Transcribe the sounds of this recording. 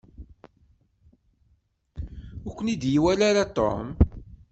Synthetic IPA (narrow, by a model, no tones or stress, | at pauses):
ʊɾkʷːənid̪jiwælaɾat̪ːo̰m